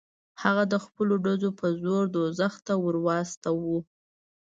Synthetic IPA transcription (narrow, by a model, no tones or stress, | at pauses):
haɣad̪əxpəloɖazopəzoɾd̪ozaxt̪awəɾwɑst̪awu